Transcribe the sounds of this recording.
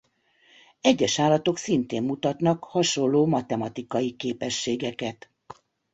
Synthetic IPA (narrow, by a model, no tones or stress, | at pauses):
ɛɟːɛʃaːlɒt̪o̞ksint̪eːmːut̪ɒt̪nɒkhɒʃo̞lːoːmɒt̪ɛmɒt̪ikɒjikeːpɛʃːeːɡɛkɛt̪